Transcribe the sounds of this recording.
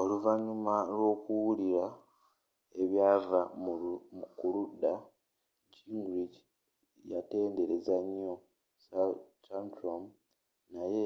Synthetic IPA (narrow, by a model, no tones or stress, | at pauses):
o̞luvaɲumalwo̞ːkuwuliɾa | e̞βjaːva | kuluda | ɟiŋɡɾiɟi | jate̞ːnde̞ɾe̞zaɲjo̞ | stantɾom | naje̞